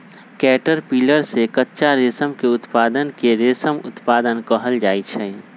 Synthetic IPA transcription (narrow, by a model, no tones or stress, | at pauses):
kɛːʈəɾpiːləɾsekətːʃaɾeːsəmkeʊt̪paːd̪ənkeɾeːsəmʊ̰t̪paːd̪ənkəɦəld͡ʒaːit͡ʃʰɛ